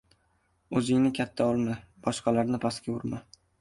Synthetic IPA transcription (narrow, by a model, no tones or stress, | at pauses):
ɵzɪŋnɪkʲʰat̪ʰːaɒlˠmab̥ɒʃqʰɑlaɾnɪpʰaskʲaʊɾma